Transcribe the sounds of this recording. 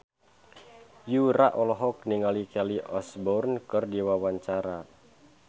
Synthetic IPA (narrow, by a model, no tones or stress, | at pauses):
juɾaʔɔlɔɦɔk̚niŋalikɛliʔɔsbɔrnkɨrdiwawaɲt͡ʃaɾa